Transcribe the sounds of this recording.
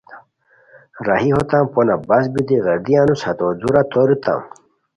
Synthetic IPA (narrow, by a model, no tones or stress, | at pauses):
ɾaɦiɦot̪ãmponabɐsbid̪iɣɐɾd̪ianushɐt̪od̪uɾat̪oɾit̪ã̰m